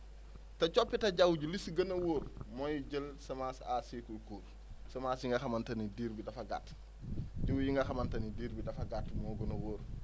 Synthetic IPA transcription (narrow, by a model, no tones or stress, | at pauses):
tɐcɔpːɛtɐɟawɟulisɡɐnɐwoːɾmɔjuɟəlsɐmaːsasikulkuːɾ | sɐmaːsiŋɡɐxɐmɐntɐnidiːɾbidɐfɐɡa̰t | ɟəwjiŋɡɐxɐmɐntɐnidiːɾbidɐfɐɡatːmɔːɡɐnɐwoːɾ